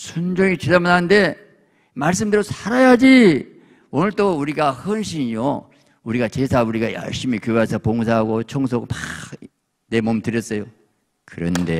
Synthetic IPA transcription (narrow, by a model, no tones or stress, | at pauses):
sʰond͡ʑʌŋit͡ɕidamananɯnde̞ | maɭs̬͈ɯmdɯɾosʰaɾajad͡ʑi | onɯɭt͈ouɾiɡahʌnɕʰiɲjo | uɾiɡat͡ɕe̞sʰauɾiɡajʌ̰ɭɕ͈imikjoasʰʌpoŋs̬ʰaɦaɡot͡ɕʰʌŋs̬ʰʌɡpa | ne̞momtɯɾjʌs͈ʌjo | kɯɾʌnde̞